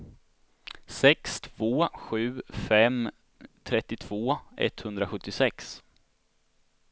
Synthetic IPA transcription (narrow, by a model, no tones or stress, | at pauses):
sɛkst̪ʰv̥oːɧʉ̟ːfɛm | t̪ʰɾɛt̪ːɪt̪ʰv̥oːɛ̰t̪ːhɵnd̪ɾaɧɵt̪ːɪsɛks